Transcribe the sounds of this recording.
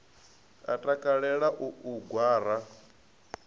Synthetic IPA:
a̰tʼakʼaɺɛɺaʔuuɡwaːɾa

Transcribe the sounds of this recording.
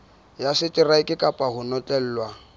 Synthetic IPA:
jasɪtʼɪraɪkʼɪkʼapʼahʊnɔtʼɛl̩ːlwa

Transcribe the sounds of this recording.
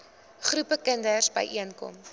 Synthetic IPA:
χɾupəkəndərsbə̰jʔiənkɔ̰m

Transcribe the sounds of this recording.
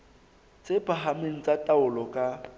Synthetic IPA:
t͡sʼepaɦameŋ̩t͡sʼatʼaʊlɔkʼa

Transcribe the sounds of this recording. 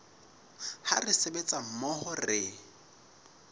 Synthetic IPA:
harɪsebet͡sʼam̩mɔhɔrɪ

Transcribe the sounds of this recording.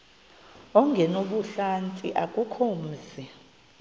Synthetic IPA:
ɔŋɡʱɛnoɓuɬant͡sʼḭʔakʼukʰoːm̩zi

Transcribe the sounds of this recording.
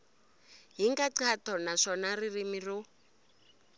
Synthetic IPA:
ɦiŋɡaǀatʰɔnaʂɔnaririmiru

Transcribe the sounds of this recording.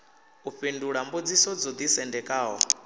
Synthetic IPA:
uɸinduɺambod͡zisɔd͡zɔd̪isɛndɛkʼaːɦɔ̰

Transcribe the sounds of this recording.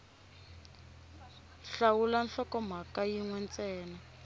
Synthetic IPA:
ɬawulanɬɔkɔm̤akajiŋwɛnt͡sʼɛːna

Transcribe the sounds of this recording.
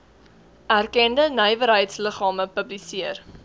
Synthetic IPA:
ʔærkɛndənəjvəɾɦəjtsləχɑːməpəblisiər

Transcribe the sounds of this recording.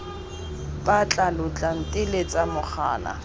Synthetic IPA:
bat͡ɬʼalʊt͡ɬʼan̩tʼɪlet͡sʼamʊk͡xʰa̰ːna̰

